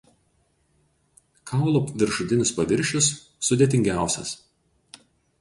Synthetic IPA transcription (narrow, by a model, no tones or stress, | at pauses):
kʰɑˑʊlˠɔpʋʲɪɾʃʊt̪ʲɪnʲʊspɐʋʲɪɾʲʃʲʊsː | ʊd̪ʲeːt̪ʲɪŋʲɡʲæˑʊsʲɛ̰s